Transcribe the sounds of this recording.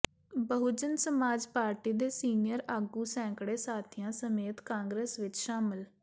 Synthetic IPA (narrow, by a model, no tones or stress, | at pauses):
bəɦʊd͡ʒənsəmaːd͡ʒpaːɾʈiːd̪eːsiːnɪjəɾaːɡuːsɛ̃ːŋkɽeːsaːt̪ʰɪjãːsəmeːt̪kãːŋɡɾeːsʋɪt͡ʃʃaːmɪl